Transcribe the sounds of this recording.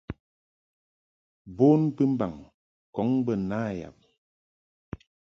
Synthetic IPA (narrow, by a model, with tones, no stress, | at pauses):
bo˦npɨ˦m̩˦ba̰˨ŋ | kɔ˨˦ŋbə˦˨naː˦ja̰˨p̚